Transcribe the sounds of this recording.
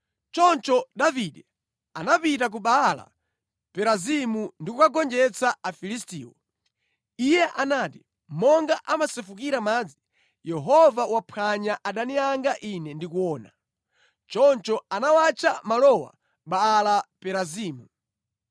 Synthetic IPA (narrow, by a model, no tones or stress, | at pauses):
t͡ʃɔnt͡ʃɔɗaviɗɛ | anapitak̬uɓala̰ | pɛɾazimundikukaɡɔnd͡ʒɛt͡saafilistḭːwɔ̰ | ijɛʔanaːti | mɔŋɡaʔamasɛfukiɾamaːd͡zi | jɛɦɔvawapʰaɲaʔaɗaniaŋɡaʔinɛndikuwɔːna | t͡ʃɔnt͡ʃɔanawat͡ʃamalɔwa̰ | ɓaːlapɛɾaziːmu